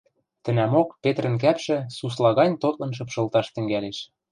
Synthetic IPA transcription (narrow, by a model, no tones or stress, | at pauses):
t̪ɘ̆næmokpet̪rə̆nk̬æpʃɘ̆suslɑɣɑnʲt̪ot̪lɤ̆nʃ̬ɤ̆pʃɤ̆lˠt̪ɑʃt̪ɘ̆ŋɡæleʃ